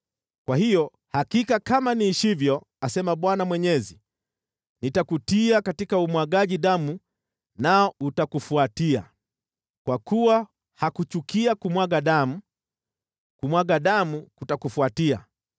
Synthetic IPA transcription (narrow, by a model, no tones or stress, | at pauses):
kwahijɔ | hakikakamaniːʃivjɔ | asɛmaɓwanamwɛɲɛzi | nitakutiakatikaumwaɡaʄiɗamu | naɔutakufuatia̰ | kwakuwa | hakut͡ʃukiakumwaɡaɗamu | kumwaɡaɗamukutakufuatia̰